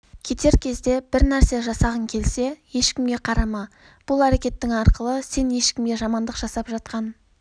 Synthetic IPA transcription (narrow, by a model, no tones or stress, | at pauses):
kʲʰe̞t̪e̞ɾkʲʰe̞zd̪e̞b̥ɪɾnæɾse̞ʒɑsɑʁəŋkʲʰe̞lse̞je̞ʃkʲɪmɡʲe̞qʰɑɾɑmɑ | b̥ʊlˠæɾe̞kʲe̞t̪ːɪŋɑɾqəlˠəse̞nje̞ʃkʲɪmɡʲe̞ʒɑmɑnd̪əqʒ̥ɑsɑpʒɑt̪̚qɑn